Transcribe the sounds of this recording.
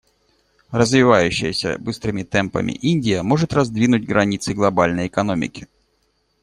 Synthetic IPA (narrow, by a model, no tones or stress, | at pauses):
rəzvʲɪvajʉɕːɪ̰jəsʲə̰bɨst̪ɾɨmʲɪt̪ɛmpɐ̰mʲɪ̰ʔinʲdʲɪjəmo̞ʐɨt̪rɐzd̪vʲinʊtʲɡɾɐnʲit̪sɨɡlˠɐbalʲnəjɛkɐnomʲɪ̰kʲɪ̥